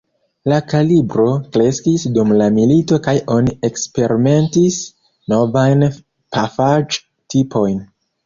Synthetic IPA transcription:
lakalibɾo̞kɾe̞skisdumlamilito̞kajʔo̞nie̞kspe̞ɾime̞ntis | no̞vajn | pafad͡ʒ | tipʰo̞jn

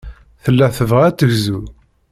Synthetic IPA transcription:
θəlːæθəvʁæt͡s̪ːəʝzu

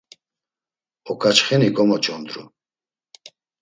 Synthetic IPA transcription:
ɔkʰʼat͡ʃχɛnikʼɔmɔt͡ʃʼɔnd̪ɾṵ

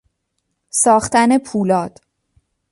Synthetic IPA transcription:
sɒːχt̪æne̞pʰuːlɒːd̪̥

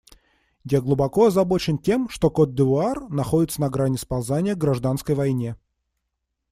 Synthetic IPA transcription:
jaɡlˠʊbɐko̞ɐzɐbo̞t͡ɕɪntʲe̞mʂt̪o̞kot̪̚d̪ɨvʊarnɐxo̞dʲɪt̪sənɐɡɾanʲɪspɐlˠzanʲɪjəɡɾɐʐd̪anskəjvɐjnʲe̞

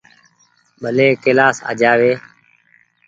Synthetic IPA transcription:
ɓʱəleːkelaːsa̰ːd͡ʒaːʋeː

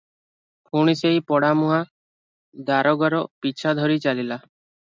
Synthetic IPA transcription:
pʰuɽ̃iseɦipɔɽamuɦa | d̪aɾɔɡɔɾɔpit͡ʃʰad̪ʱɔɾit͡ʃalila

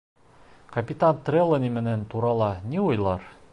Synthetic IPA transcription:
kɐpʲit̪ant̪rʲelˠːənʲimɘ̆nænt̪uɾɑlˠɑniujlˠɑɾ

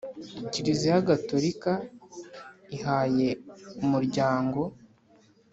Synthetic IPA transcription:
ciɾizijaɡatoɾika | iɦaːje̞umuɾɟaːŋɡo̞

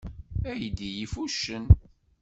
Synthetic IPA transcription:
æjd̪ijifuʃːən

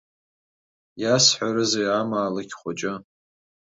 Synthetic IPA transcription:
jasħʷaɾɨzejamaːlɨkʲʰχʷat͡ʃʼɪ

